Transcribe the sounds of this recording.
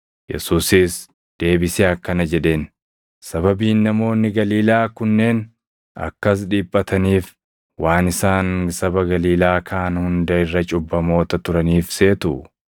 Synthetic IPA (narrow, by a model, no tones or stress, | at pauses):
jɛ̰suːsis | d̪̥e̞ːbɪseɐkːɐnɐd͡ʒɛᶑe̞ːn | sɐbɐbiːnːɐmo̞ːnːɪɡɐliːlaːkʊnːe̞ːn | ɐ̰kːɐs̬ᶑiːpʼːɐt̪ʰɐniːf | waːnɪsaːnsɐbɐɡɐliːlaːkʰaːnhʊnd̪ɐɪrːɐt͡ʃʼʊbːɐmo̞ːt̪ɐt̪ʊɾɐniːfse̞ːt̪ʊ